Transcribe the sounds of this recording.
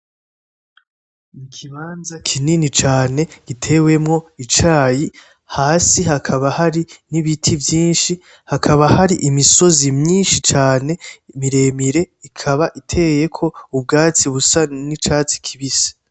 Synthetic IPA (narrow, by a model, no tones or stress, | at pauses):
ikʰiβaːnzakʰininit͡ʃaːne̞ɡ̥itʰe̞ːwe̞mŋo̞it͡ʃaːji | haːsiɦakʰaβahaɾiniβitʰivjiːnʃi | hakʰaβahaɾiʔimiso̞zimɲiːnʃit͡ʃaːne̞miɾe̞ːmiɾe̞ | ikʰaβaʔitʰe̞je̞kʰo̞ub̚ɡaːt͡siβusanit͡ʃaːt͡si̥kʰiβisḁ